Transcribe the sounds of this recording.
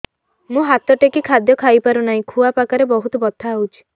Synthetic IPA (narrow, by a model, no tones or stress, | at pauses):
mũɦat̪ɔʈekikʰad̪jɔkʰajpaɾunaĩkʰuapakaɾebɔɦut̪ɔbɔt̪ʰːaut͡ʃʰi̥